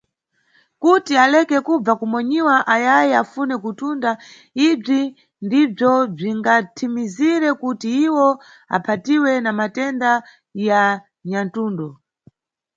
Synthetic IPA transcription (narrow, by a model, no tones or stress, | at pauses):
kutialɛkɛkub͡vakumɔɲiwaʔajajɛafunɛkutunda | ib͡ʐi | ndib͡ʐɔb͡ʐiŋɡatʰimiziɾɛkutiiwɔ | a̰pʰatiwɛnamatɛnda | ja | ɲantuːndɔ